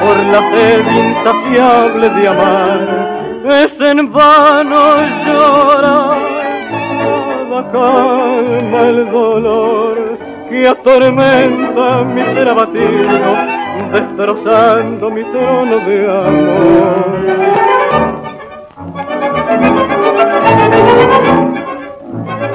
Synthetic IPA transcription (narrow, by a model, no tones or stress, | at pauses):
poɾlafeminsafjaβle̞ðeamaɾ | esenbanoʒoɾa | lakalmaelðo̞loɾ | keat̪o̞ɾmẽnt̪amiseɾaβat̪iɾnod̪est̪ɾosant̪omit̪ɾonoðeamoɾ